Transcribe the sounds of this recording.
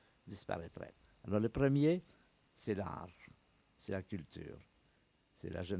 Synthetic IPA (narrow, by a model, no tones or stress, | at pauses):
d̪ispa̰ʁɛt̪ʁɛ̰ | alɔʁləpʁəmje | sɛla̰ʁ | sɛlakʲylt̪y̰ːʁ | sɛ̰la̰ʒən